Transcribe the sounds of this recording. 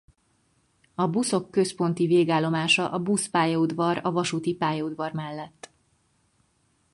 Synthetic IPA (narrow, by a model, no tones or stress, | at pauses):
ɒbuso̞kːø̞spo̞n̪t̪iveːɡaːlːo̞maːʃɒʔɒbuspaːjɒud̪vɒrɒvɒʃut̪ipaːjɒud̪vɒrmɛlːɛt̪ː